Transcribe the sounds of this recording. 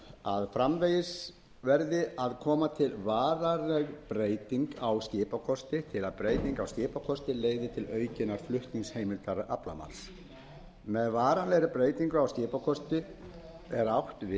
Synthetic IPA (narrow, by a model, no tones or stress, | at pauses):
aðfɾamvejɪs | vɛɾðɪaðkʰɔːmat̪ʰɪlvaːɾaɾlɛɣpɾeːjt̪iŋkawscɪːpakʰɔst̪ɪt̪ʰɪlaðpɾeːjt̪iŋkawscɪːpakʰɔst̪ɪleːjɣðɪt̪ʰɪlœːɥcɪnaɾ̥flʏht̪niŋshejmɪlt̪aɾʔa̰pla̰ma̰ns | mɛðvaːɾanlɛɣɾɪpɾeːjt̪iŋkʏawscɪːpakʰɔst̪ɪ | ɛɾawht̪vɪ